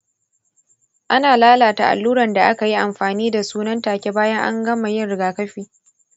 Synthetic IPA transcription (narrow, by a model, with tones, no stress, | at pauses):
ʔa˦naː˨laː˦laː˨ta˨ʔa̰˨lːuː˦ɾɐ˨nda˨ʔa˦ka˨ji˦ʔa˨mɸaː˨niː˦da˨suː˦nɐ˦ntaː˨kʲe˦baː˦jɐ˦ŋʔa̰˦ŋɡɐ˦ma˨jɪ˦nɽɪ˨ɡaː˨kɐ˦ɸiː˦